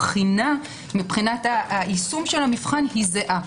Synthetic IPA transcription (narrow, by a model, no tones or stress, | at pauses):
χina | mipχinataisumʃelamifχanhizeʔa